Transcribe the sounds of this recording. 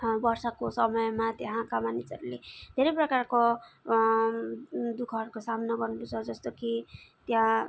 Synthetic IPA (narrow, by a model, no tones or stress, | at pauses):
bʌrsʌkosʌmʌjmat̪jeɦãkamanisʌɾuled̪ʱeɾʌprʌkarko | d̪ukʰʌɦʌɾukosamnʌɡʌrnuput͡sʰʌd͡zʌst̪okit̪jã